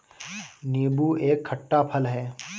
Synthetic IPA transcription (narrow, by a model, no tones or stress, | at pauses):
niːbuːeːkʰːɐʈːapʰəlɦɛː